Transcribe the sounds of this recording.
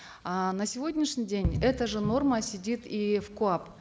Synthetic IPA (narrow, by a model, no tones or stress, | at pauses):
anəsʲɪvo̞dʲnʲɪʂnʲijdʲenʲɛt̪əʐɨno̞rməsʲɪdʲit̪ifkʊap